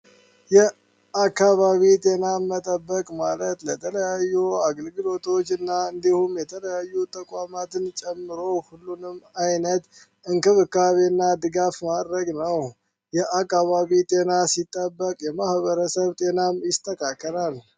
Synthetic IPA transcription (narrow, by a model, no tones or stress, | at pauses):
jɛ | akːaβaβit̪ʼe̞namːət̪ʼəbːəkʼmalət̪lət̪ʰələjajːuaɡəlɡɨlo̞t̪ʰo̞t͡ʃːɨnːaɨnd̪ihumjɛt̪ʰələjajːut̪ʼəkʼamat̪ɨnt͡ʃʼɛmːɨɾo̞hulːunɨmːajnət̪ | ɨŋkɨβɨkaβenːad̪ɨɡafmad̪ɾəɡnəw | jɛʔakːaβaβit̪ʼe̞nasit̪ʼːəbːəkʼjɛmahβəɾəsəβt̪ʼe̞namjɪst̪ʰːəkʼakʰːəɾal